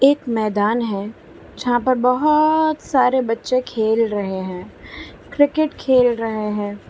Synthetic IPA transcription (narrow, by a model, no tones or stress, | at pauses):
eːkmɛːd̪aːnɦɛː | d͡ʒɐɦãpɐɾbɐɦʊt̪saːɾebɐtːʃekʰeːlɾɐɦeɦɛ̃ːkɾɪkɪʈkʰeːlɾɐɦeɦɛ̃ː